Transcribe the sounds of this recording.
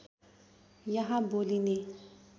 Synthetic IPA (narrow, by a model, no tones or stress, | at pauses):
jaɦãboːline